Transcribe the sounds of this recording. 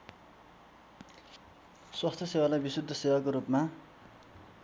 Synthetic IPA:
swast̪ʰʌsewalajbisud̪ʱːʌsewakoɾupma

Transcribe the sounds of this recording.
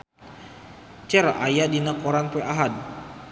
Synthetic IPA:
t͡ʃɛrʔajadinakoɾanpueʔaɦad̚

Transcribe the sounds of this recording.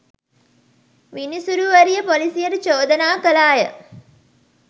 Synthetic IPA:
ʋinisuɾuʋəɾijəpolisijəɾut͡ʃoːd̪ənaːkəlaːjə

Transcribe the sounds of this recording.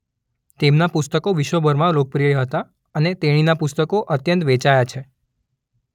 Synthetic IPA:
t̪emnapʊst̪əkoʋiʃʋobʱəɾmãlok̚pɾijəɦət̪a | ənet̪eɽ̃inapʊst̪əkoʔət̪jə̃nt̪ʋet͡ʃajat͡ʃʰe

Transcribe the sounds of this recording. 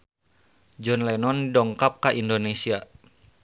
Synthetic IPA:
d͡ʒɔnlɛnɔndɔŋkap̚kaʔindonesia

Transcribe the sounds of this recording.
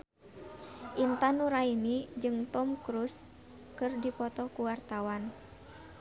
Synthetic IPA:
ʔint̪anuɾaimid͡ʒɨŋt̪ɔmkɾus | kɨrdipɔt̪ɔkuwart̪awan

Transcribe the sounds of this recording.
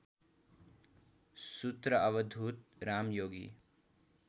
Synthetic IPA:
sut̪ɾʌʔʌβʌd̪ʱut̪̚ɾamjoːɡḭ

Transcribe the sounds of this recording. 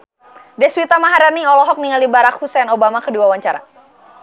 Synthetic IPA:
dɛswit̪amaɦaɾaniɔlɔɦɔk̚niŋaldibaɾakhusɛnobamakəduawaɲt͡ʃaɾa̰

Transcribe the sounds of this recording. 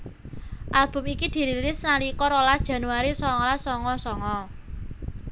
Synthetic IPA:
ʔalb̥ʊ̤mikid̪̥i̤ɾilɪsnalikɔɾɔlasd̥ʒ̥ä̤nuaɾisɔŋɔlasɔŋɔsɔŋɔ

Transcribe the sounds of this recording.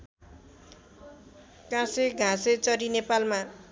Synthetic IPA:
kãseɡʱãset͡sʌɾinepalma

